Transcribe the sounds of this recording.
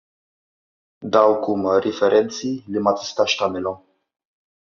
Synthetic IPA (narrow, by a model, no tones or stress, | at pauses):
d̪awkumɾifeɾʔent̪silimat̪i̥st̪aʃt̪amelɔ